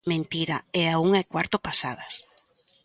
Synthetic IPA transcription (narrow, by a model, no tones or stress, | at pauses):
mẽnt̪iɾaɛauŋaekwaɾt̪ʊpasa̰ð̞ɐs